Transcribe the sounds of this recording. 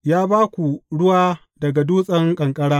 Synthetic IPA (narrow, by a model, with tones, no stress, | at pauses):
jaː˦baː˦kʷu˨ɽʊ˦waː˦ | dɐ˨ɡa˨duː˦sʼɐ˦ŋkʼɐ˨ŋkʼɐ˦ɽaː˦